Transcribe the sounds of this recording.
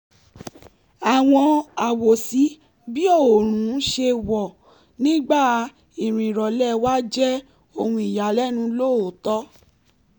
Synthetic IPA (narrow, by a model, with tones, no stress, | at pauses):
a˨w̃ɔ̃˧a˨wo˨si˨˦ | bi˦o˦˨o˨ɾ̃ũ˨˦ʃe˧wɔ˨ | nĩ˦ɡ͡ba˦˨ | i˨ɾ̃ĩ˨ɾɔ˨lɛ˦wa˦d͡ʒɛ˦ | o˧˨hũ˧i˨ja˨lɛ˦nũ˧˦lo˦˨o˨tɔ˨˦